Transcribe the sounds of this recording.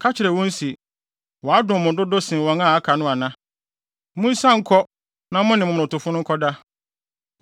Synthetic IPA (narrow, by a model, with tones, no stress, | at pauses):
kʰa˦t͡ɕʰɪ˨ɾɛ˨wɔ̃˦n̩˦si˨ | wɔ˨a˦dʊ̃˨mʊ̃˨dʊ˦dʊ˦sɪ̃˨wɔ̃˨ŋã˦˨a˦kʰa˨nʊ̃˦a˨nã˦ | mʊ̃˦n̩˦sã˦ŋ̩˦kʰɔ˦ | nã˦mʊ̃˦nɪ̃˨mʊ̃˨m˨ɾʊ̃˨tʊ˨fʊ˦nʊ̃˦ŋ˦kʰɔ˦da˦